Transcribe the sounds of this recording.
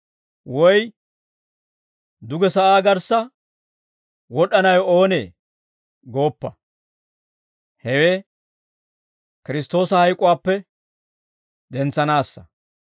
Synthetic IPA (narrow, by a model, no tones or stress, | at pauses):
wɔj | d̪ʊɡɛsɐʔaːɡɐɾsɐ | wɔɗɐnɐjɔoːnḛː | ɡo̞ːpːɐ | hɛweː | kɪɾɪst̪o̞ːsɐhɐjkʼʊwaːpːɛ | d̪ɛnt͡sːɐnaːsːɐ̰